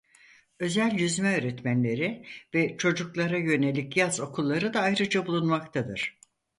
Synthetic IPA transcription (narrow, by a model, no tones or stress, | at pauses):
ø̞zælʲjyzmɛøːɾɛt̪mænlʲe̞ɾivɛt͡ʃʰo̞d͡ʒuklˠaɾajø̞ne̞lʲicjazo̞kʰulˠːaɾɯd̪aːjɾɯd͡ʒabulˠunmakt̪ʰad̪ɯɾ̥